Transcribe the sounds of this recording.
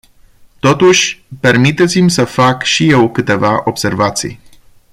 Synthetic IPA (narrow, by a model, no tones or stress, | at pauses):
t̪o̞t̪uʃʲpe̞rmit̪et̪simʲsəfakʃije̞wkɨt̪e̞vaʔob̥se̞rvat̪sḭj